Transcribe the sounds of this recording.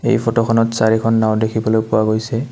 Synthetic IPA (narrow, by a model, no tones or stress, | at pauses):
ḛjpʰɔtɔkʰɔnɔtsaɹikʰɔnːawdekʰibɔlojpʊwaɡojsɛ